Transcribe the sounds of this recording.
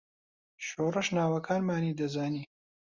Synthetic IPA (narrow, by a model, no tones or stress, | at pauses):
ʃoːrɨʃnaːwɐkʰaːnmaːniːd̪ɐzaːniː